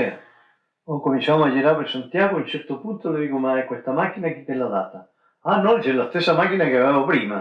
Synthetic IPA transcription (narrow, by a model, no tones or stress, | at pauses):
okomint͡ʃamad͡ʒiɾapeɾsant̪jaɣount͡ʃɛɾt̪opunt̪oloðikomaɛkwest̪amak̟inak̟it̪ːelːaðat̪a | anːɔlt͡ʃɛlast̪esːamak̟inakeavevopɾima